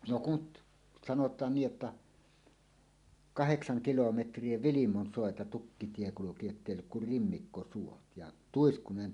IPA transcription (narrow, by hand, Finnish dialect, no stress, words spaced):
no kut sɑnotˑɑːn niː ʔetːæ kɑheksɑŋ kilometrˑie ʋilimonsoˑetɑ tukːitie kuluki jotːeˑi olːuk kur rimːikːosuot jɑ tuiskunen